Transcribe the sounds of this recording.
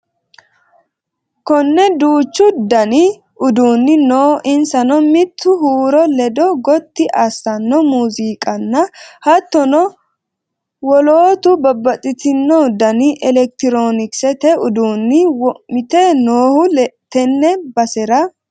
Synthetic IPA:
kɔnːɛd̪uːt͡ʃːʊd̪ɐnɪ | ʊd̪uːnːɪnoːʔɪnsɐnɔmɪt̪ːʊhuːɾɔlɛd̪ɔɡɔt̪ːɪʔɐsːɐnːɔmuːziːkʼɐnːɐhɐt̪ːɔnɔ | wɔloːt̪ʊbɐbːɐt̪ʼɪt̪ɪnːɔd̪ɐnɪʔɛlɛk̚t̪ɪɾoːnɪksɛt̪ɛʊd̪uːnːɪmɪt̪ɛnoːhʊt̪ɛnːɛbɐsɛɾɐ

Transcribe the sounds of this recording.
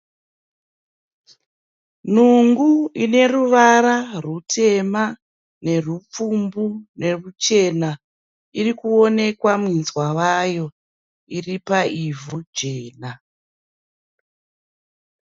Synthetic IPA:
n̤uŋɡuine̞ruʋaɾarutʰe̞ma | ne̞rup͡fumbune̞rut͡ʃe̞na | irikuo̞ne̞kwamwinzwawajo̞ | iripaivud͡ʒeːna

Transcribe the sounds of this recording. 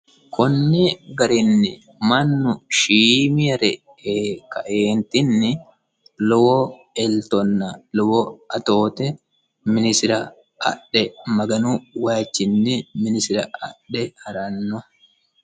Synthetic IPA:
kʰɔnːɪɡɐɾɪnːɪ | mɐnːʊʃiːmɪɐɾɛ | ekɐ̰ʔeːnt̪ɪnːɪ | lɔwɔ | ɛlt̪ɔnːɐlɔwɔɐt̪oːt̪ɛ | mɪnɪsɪɾɐ | ɐ̰ɗɛmɐɡɐnuwaːt͡ʃːɪnːɪmɪnɪsɪɾɐɐ̰ᶑɛhɐɾɐnːɔ

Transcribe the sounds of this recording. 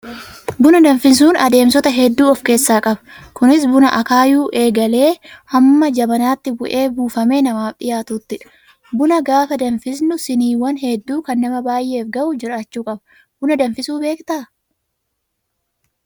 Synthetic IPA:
bʊnɐd̪ɐnfɪns̬uːnɐd̪e̞ːmsɔt̪ɐɦɛd̪ːuːɔfke̞ːsːaːkʼɐbɐ̥kʊnɪs̬bʊnɐʔɐkaːjuːʔe̞ːɡɐle̞ːhɐmːɐd͡ʒɐbɐnaːt̪ːɪbʊʔe̞ːbuːfɐme̞ːnɐmaːfᶑɪ̰jaːt̪uːt̪ːɪᶑɐ̥ | bʊnɐɡaːfɐd̪ɐnfɪsnʊsɪniːwɐnhɛd̪ːuːkɐnːɐmɐbaːjʔe̞ːfɡɐʔʊd͡ʒɪɾaːt͡ʃːuːkʼɐbɐ | bʊnɐd̪ɐnfɪsuːbe̞ːkt̪aː

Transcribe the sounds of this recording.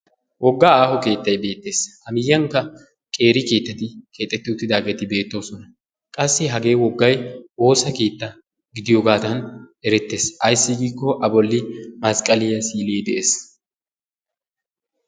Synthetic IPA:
wʔɔɡːaːaːhɔke̞ːt̪ːɐjbe̞ːt̪ːe̞ːshɐmɪjːɐŋkːɐ | kʼe̞ːɾɪke̞ːt̪ːɐt̪ɪkʰe̞ːt̪ʼːɛt̪ːɪʊt̪ːɪd̪aːɡɛt̪ɪbe̞ːt̪ːo̞ːsɔnɐ | kʼɐsːɪɦɐɡe̞ːwɔɡːɐjo̞ːsɐke̞ːt̪ːɐ | ɡɪd̪ɪjoːɡaːt̪ɐnɛɾɛt̪ːe̞ːsɐjsːɪɡiːkːɔʔɐbɔlːɪmɐskʼɐlɪjɐsiːleːd̪ɛʔeːs

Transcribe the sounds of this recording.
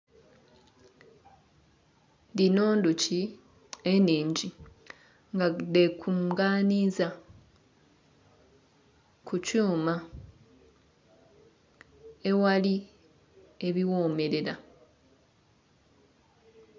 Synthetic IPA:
ndino̞ːnduci | eniːɲɟi | ŋɡadekʰumɡaːniːza | kʰucuːma | e̞wali | eβiwo̞ːme̞ɾe̞ɾa

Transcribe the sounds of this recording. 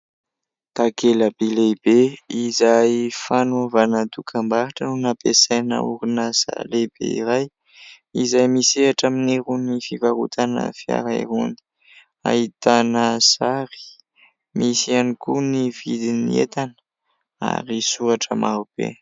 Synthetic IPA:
t̪akeləbeleb̥eizajfanovanət̪ukʰambaɾaʈ͡ʂənunapesajnə̰uɾunaz̥a̰leb̥ḛiɾaj | izajmiseaʈ͡ʂaminiɾunifivaɾṵt̪ʰanə̰fia̰ɾaiɾuni̥ | a̰it̪anəz̥aɾi̥ | misianikunivid̪iniḛt̪anə̥ | a̰ɾisuaʈ͡ʂəmʔaɾub̥ḛ

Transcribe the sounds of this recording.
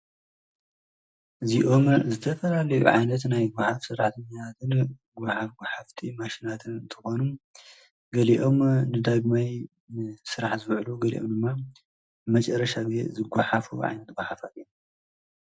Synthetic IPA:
ʔɨziʔo̞mzɨt̪ʰɐfɐlalɐjṵʕa̰jnɐt̪najɡʷʊħafsɨɾːaħt̪ʰɐɲːat̪ʰat̪ʰɨnɡʷaħafɡʷħaft̪ʰimaʃinat̪ʰɨnɨnt̪ʰɨxo̞num | ɡɐliʔo̞mnɨd̪aɡmaj | sɨɾaħzɨβʕluɡɐlḭʔo̞md̪ɨmːa | mɐt͡ʃʼɐɾːɐʃaɡze̞̰zɨɡʷaħafṵʕa̰jnɐt̪ɡʷaħafat̪in

